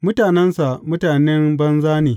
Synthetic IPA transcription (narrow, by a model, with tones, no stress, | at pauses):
mʊ˦taː˨nɛ˦nsa˨mʊ˦taː˨nɛ˦mbɐ˦nzaː˦neː˨